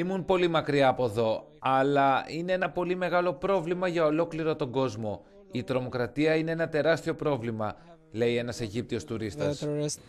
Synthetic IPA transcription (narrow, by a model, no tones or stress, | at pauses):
imunpo̞limɐkɾiɐːpo̞ðo̞ | ɐlɐine̞e̞nɐpo̞lime̞ɣɐlo̞pɾo̞vlimɐʝɐolo̞kliɾo̞t̪o̞ŋɡo̞zmo̞ | it̪ɾo̞mo̞kɾɐt̪iɐine̞enɐt̪e̞ɾɐst̪io̞pɾo̞vlimɐ | le̞ie̞nɐse̞ʝip̚t̪io̞st̪uɾist̪ɐss